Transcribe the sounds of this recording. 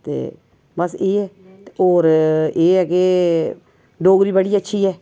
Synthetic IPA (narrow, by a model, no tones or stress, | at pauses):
t̪ḛː | bəseːɛː | oːɾeːɦɛːke | ɖoːɡɾiːbəɽiːətːʃʰiːɦɛː